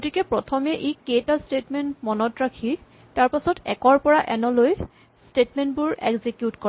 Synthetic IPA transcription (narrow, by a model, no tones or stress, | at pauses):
ɡotikɛpɹɔtʰɔmɛʔeketastetmɛntmɔnɔtɹakʰi | taɹpasɔtɛ̰kɔɹpɔɹaʔɛnɔloj | stetmɛntbʊɹɛ̰ɡzikjutkɔ